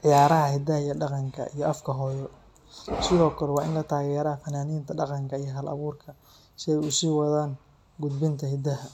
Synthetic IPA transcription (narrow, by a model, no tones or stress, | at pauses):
ʕɪjaːɾɐɦɐhɪd̪ɐɦɐjɐɖɑqɑŋkʰɐ̰ʔijɔʔɐfkʰɐɦɔːjɔ | sɪðɔːkʰɐlɛwɑːɪnlɐt̪ʰaːɣɛːɾɐfɐnaːniːnt̪ʰɐɖɑqɑŋkʰɐijɞɦɐlɐ̰βuːrkʰɐ | ʃɛjusiːwɑðaːŋ | ɡʊd̪bɪnt̪ʰɐhɪd̪ɐɦɐ